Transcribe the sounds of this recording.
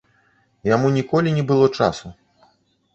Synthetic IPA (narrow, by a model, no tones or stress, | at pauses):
jamunʲikɔlʲinʲɛbɨlˠɔt͡ʂa̰su